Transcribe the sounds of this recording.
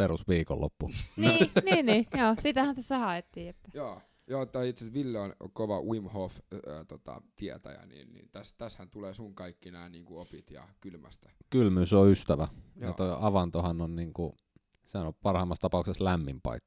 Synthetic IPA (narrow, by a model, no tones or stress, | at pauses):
peɾusʋiːko̰lːo̰pːuniːniːnniːjoːsit̪æhænt̪æsːæhɑet̪ːiːet̪ːæ̥joː | joːt̪ːæit̪sesʋilːeonkoʋɑwimhofːt̪ot̪ɑ̰t̪iɛt̪æ̰jæ̰nḭːnnḭːnt̪æst̪æshænt̪uleːsuŋkɑikːinæːniːŋkuopit̪jɑ̰kylmæst̪æ̥kylmysoyst̪æʋæjjɑt̪oiʔɑʋɑnt̪ohɑnːonniːŋku | sehænopɑrhɑimːɑst̪ɑpɑˑukseslæmːimpɑ̰ikːɑ̥